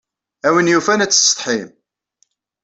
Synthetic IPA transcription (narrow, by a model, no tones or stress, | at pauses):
æwənjufænæt͡sːə̥st̪ˤħim